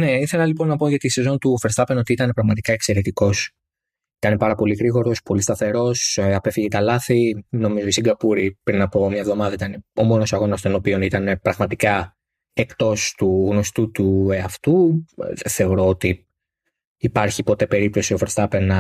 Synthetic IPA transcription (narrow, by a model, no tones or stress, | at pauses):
ne̞iθe̞lɐlipo̞nːɐpo̞ʝɐt̪ise̞zo̞nt̪ufeɾst̪ɐpe̞no̞t̪iit̪ɐne̞pɾɐɣmɐt̪i̥kɐe̞kse̞ɾe̞t̪iko̞s | it̪ɐne̞pɐɾɐpo̞liɣɾiɣo̞ɾo̞spo̞list̪ɐθe̞ɾo̞sɐpe̞fiʝet̪ɐlɐθino̞mizoist̪iŋɡɐpuɾipɾinɐpo̞mɲɐvðo̞mɐðɐit̪ɐne̞o̞mo̞no̞sɐɣo̞nɐst̪o̞no̞pio̞nit̪ɐne̞pɾɐɣmɐt̪ikɐ | e̞kt̪o̞st̪uɣno̞st̪ut̪ueɐft̪uðeθe̞o̞ɾo̞ot̪i | ipɐɾçipo̞t̪e̞pe̞ɾip̚t̪o̞sio̞feɾst̪ɐpe̞nɐ